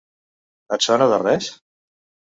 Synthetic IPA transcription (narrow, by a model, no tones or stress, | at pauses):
ət͡ʃɔnoðərɛs